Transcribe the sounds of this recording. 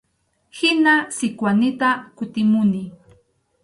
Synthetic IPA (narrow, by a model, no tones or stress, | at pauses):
hɪnasɪkwanɪt̪akʊt̪ɪmʊnɪ